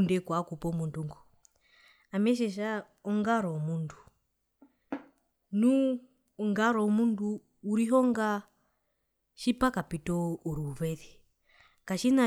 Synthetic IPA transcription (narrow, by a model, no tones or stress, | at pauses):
ndɛkwakupɔmunduŋɡɔ | amɛʃ̬ɛʃ̬a | ɔŋɡaɾɔmundu | nu | ŋɡaɾɔmunduː | ɾiɦɔŋɡa | ʃipakapitɔuɾuːβɛði | kaʃina